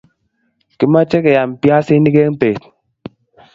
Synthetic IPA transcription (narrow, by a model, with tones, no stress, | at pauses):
ki˨ma˦t͡ʃe˦ke˨ja˨m˨pja˦si˦ni˦ke˦ŋ̩˦pe˨t̚